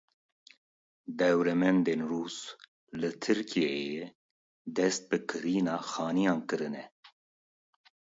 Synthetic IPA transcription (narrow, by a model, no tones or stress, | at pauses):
d̪ɛwɾɛmɛnd̪eːnruːs | lɨt̪ʰɨɾkʰijejɛ | d̪ɛst̪̚bɨkʰɨɾiːnɑːxɑːnijɑːnkɨɾɨnɛ